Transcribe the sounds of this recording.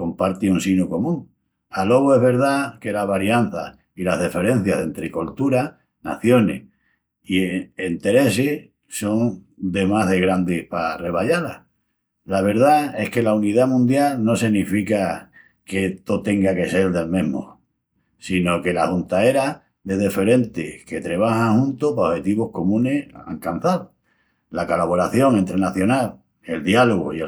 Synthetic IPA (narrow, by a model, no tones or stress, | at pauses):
ko̞mpaɾt̪iunsinuko̞mũŋ | alo̞βɣoe̞zβe̞ɾð̞ake̞laɦβaɾjan̟θa̰h | ilaɦðife̞ɾe̞n̟θjaðe̞nt̪ɾekolt̪uɾa | na̰θjo̞nḛh | ient̪e̞ɾe̞se | so̞ŋ | d̪e̞maɦðeɣɾand̪ehpare̞βaʎala̰ | laβ̞e̞ɾðae̞hke̞launiðamũnd̪jalno̞siɣnifika | ke̞t̪ot̪e̞ŋɡake̞se̞ld̪e̞lmẽɦmo̰ | sino̞ke̞lahunt̪ae̞ɾa | ðeðefe̞ɾe̞nt̪eke̞t̪ɾeβ̞ahaŋhũnt̪opaohe̞t̪iβo̞hko̞mũne̞ha̰ŋkanθaðo | lakolaβo̞ɾaθjo̞ŋe̞nt̪ɾenaθjo̞nal | e̞ld̪jaloɣo̰i